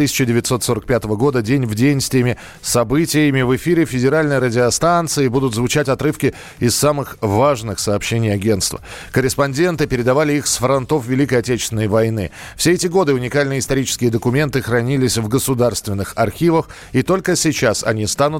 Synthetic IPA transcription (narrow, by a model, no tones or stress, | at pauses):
t̪ɨsʲɪ̥t͡ɕɪdʲɪvʲɪt̪so̞t̪so̞ɾək̚pʲat̪əvəɡo̞d̪ədʲenʲvdʲejnʲsʲt̪ʲɪjmʲɪ | sɐbɨtʲɪjɪmʲɪvɨfʲiɾʲɪfʲɪdʲɪɾalʲnɨjəɾədʲɪɐst̪ant̪sɨɪbud̪ʊt̪zvʊt͡ɕætʲɐt̪ɾɨfkʲɪ | ɪsːamɨxvaʐnɨxsəːpɕːenʲɪjɐɡʲe̞nt̪st̪və̰kəɾʲɪspɐnʲdʲe̞nt̪ɨpʲɪɾʲɪd̪ɐvalʲɪixsfɾɐnt̪o̞fvʲɪlʲikəjɐtʲet͡ɕɪsʲɪnəjvɐjnɨ̰ | fsʲeɛtʲɪɡo̞d̪ɨʊnʲɪkalʲnɨjəɪst̪ɐɾʲit͡ɕɪ̥skʲɪjəd̪əkʊmʲe̞nt̪ɨxɾɐnʲilʲɪsʲvɡəsʊd̪arst̪vʲɪnːɨxɐrxʲivəx | it̪o̞lʲkəsʲɪt͡ɕasɐ̰nʲist̪anʊt̪